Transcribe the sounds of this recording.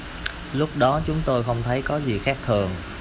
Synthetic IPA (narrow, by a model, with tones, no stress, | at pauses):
lʊ˦˥k͡p̚ɗɔ˨˦t͡ɕʊ˨˦ŋ͡mt̪o˧jxə˧wŋ͡mt̪ʰə˨˦jkɔ˨˦zi˨˩xaː˦˥k̚t̪ʰɨ˨˩əŋ